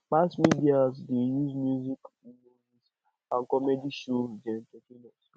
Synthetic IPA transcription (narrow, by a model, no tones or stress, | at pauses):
k͡pasmidiazdejuzmjuzik | inois | ãnkɔmɛdiʃod͡ʒɛ̃ntokinɔs